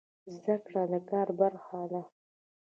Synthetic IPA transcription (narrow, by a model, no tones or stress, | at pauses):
zdakʰʼradakʼaːrbarχaːla